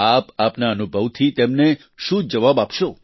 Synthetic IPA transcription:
apapnaənubʱəʋt̪ʰit̪emne | ʃũd͡ʒəʋabapʃo

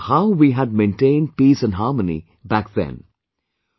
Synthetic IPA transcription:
haʊʋiːɦæd̚mẽnʈẽɪ̃nɖ̚piːsə̃nɦɑːmənḭ | bæk̚ðɛ̰̃n

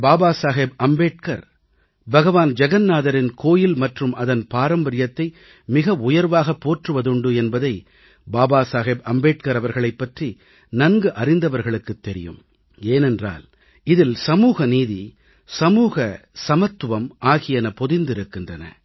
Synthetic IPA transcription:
baːbaːsaːɦeːbɐmbeːʈ̚kɐ̰ɾ | bɐɣɐʋaːnd͡ʒɛɣɐnːaːðɐɾɪnkʰoːjɪlmɐʈrɯmɐðɐnpaːɾɐmbɐɾɪjɐt̪ːɐɪ | mɪɣɐʊjɐɾʋaːɣɐpːoːʈrɯʋɐðɯɳɖɯɛnbɐðɐɪ | baːbaːsaːɣeːbɐmbeːʈkɐɾɐʋɐɾɣɐɭɐɪpːɐʈri | nɐnɡɯʔɐrɪnd̪ɐʋɐɾɣɐɭɯkːɯt̪ːɛɾɪ̰jɯ̰m | eːnɛndra̰ːl | ɪðɪlsɐmuːɣɐniːði | sɐmuːɣɐsɐmɐt̪ːɯʋɐmaːɣɪjɐnɐpɔðɪnd̪ɪɾɯkːɪndrɐnɐ̰

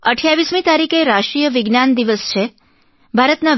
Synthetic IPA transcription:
əʈʰjaʋismĩt̪aɾikeɾaʃʈɾijəʋiɡnand̪iʋəst͡ʃʰe | bʱaɾət̪na

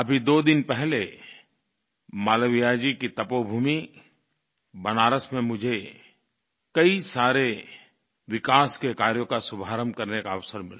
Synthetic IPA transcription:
ɐbʱid̪oːd̪ɪnpɛɦle | maːləʋijad͡ʒikit̪ɐpobʱuːmi | bɐnaːɾəsmẽmʊd͡ʒʱe | kɐisaːɾe | ʋɪkaːskekaːɾjõkasʊbʱaːɾəmkɐɾnekaɐʋsəɾmɪla

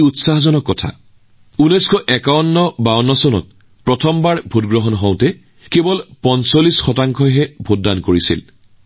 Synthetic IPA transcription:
utsaɦɔzɔnɔkːɔtʰa̰ | unɔjskʰɔʔɛkaɔnːɔbaɔnːɔsɔnɔ̰t̚ | pɹɔtʰɔmbaɹbʱutɡɹɔɦɔnɦɔ̃wtɛ | kebɔlpɔnsolisxɔtaŋkʰɔɦɛbʱut̚dankoɹisḭl

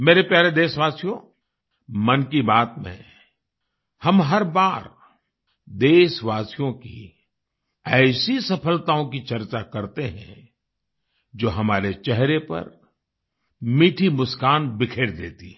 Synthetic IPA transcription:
meːɾepjaːɾed̪eːʃʋaːsijõ | mɐnkibaːt̪mḛ̃ | hɐmɦɐɾbaːɾ | d̪eːʃʋaːsijõkḭ | ɛːsisɐpʰəlt̪aːõkit͡ʃɐɾt͡ʃakɐɾt̪eɦɛ̰̃ | d͡ʒoːɦɐmaːɾet͡ʃɛɦɾepɐ̰ɾ | miːʈʰimʊskaːnbɪkʰeːɽd̪ḛːt̪i

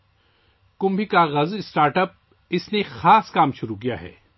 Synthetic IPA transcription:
kʊ̃mbʱikaɣɐzɪsʈaːɾʈəp̚ | ɪsnexaːskaːmʃʊɾuk̬ija̰ɦɛ̰ː

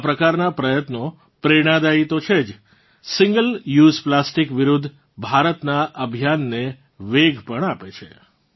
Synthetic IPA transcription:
apɾəkaɾnapɾəjət̪no | pɾeɽ̃ãd̪ait̪ot͡ʃʰed͡ʒ | sɪ̃ŋɡəljuzplasʈikʋiɾud̪ʱː | bʱaɾət̪naʔəbʱjanːe | ʋeɡʱpəɳapet͡ʃʰe

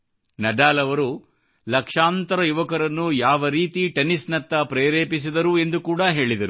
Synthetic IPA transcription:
nɐɖaːlɐʋɐɾu | lɐkʂaːnt̪ɐɾɐjuʋɐkɐɾɐnːujaːʋɐɾiːt̪iʈenisnɐt̪ːɐpɾeːɾeːpis̬id̪ɐɾue̞nd̪ukuːɽɐɦe̞ːɭid̪ɐɾu

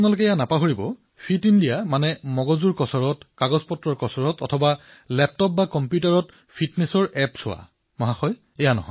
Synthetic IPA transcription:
pʰnalʊkɛɛjanapaɦoɹibɔ | pʰitindijamanɛmɔɡɔzuɹkɔsɔɹɔtkaɡɔzpɔtɹɔɹkɔsɔɹɔtɔ̰tʰɔba | lɛp̚tɔp̚bakɔmpjutaɹɔt | pʰitnɛsɔɹɛpsʊ̰a̰ | mɔɦaxɔj | ɛjanɔ̰ɦɔ̰

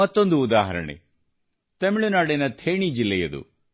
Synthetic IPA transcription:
ɐt̪ːond̪uːd̪aːɦɐɾɐ̰ɳḛ | t̪ɐmiɭunaːɽinɐt̪ʰeːɳid͡ʒilːɛjɐd̪ṵ

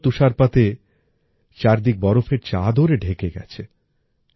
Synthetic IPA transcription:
t̪uʃaɾpat̪e | t͡ɕaɾd̪ik̚bɔɾofeɾt͡ɕad̪ʱoɾeɖʱekeɡɛ̰t͡ɕʰe

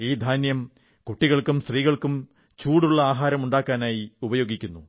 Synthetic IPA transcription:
iːd̪ʱaːnjɐm | kuʈːiɣɐɭkumst̪riːɣɐɭkum | t͡ɕuːɽuɭːɐaːɦaːɾɐmuɳɖaːkːaːnaːjiubɐjo̞ːɡikʲːunːu

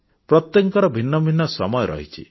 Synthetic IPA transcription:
pɾɔt̪jɔŋkɔɾɔbʱinːɔbʱinːɔsɔmɔjɔɾɔ̰ɦit͡ʃʰḭ

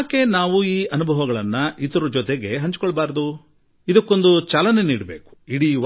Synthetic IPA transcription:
ke̞naːʋuiːʔɐnubʱɐʋɐɡɐɭɐnːɐʔit̪ɐɾud͡ʒɔt̪eɡe̞ɦɐɲt͡ʃi̥kɔɭːɐbaːɾd̪u | id̪ɐkːo̞nd̪ut͡ʃaːlɐne̞niːɽɐbe̞ːku̥iɽiː

